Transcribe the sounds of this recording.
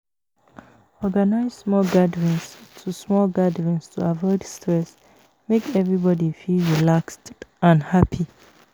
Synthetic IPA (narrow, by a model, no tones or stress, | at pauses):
ɔɡanaɪzsmɔlɡadɹĩnstʰusmɔlɡadəɹĩnstʰuavɔɪdstʰɹɛs | mekɛvɹibɔdifilɹilakstãnhapʰi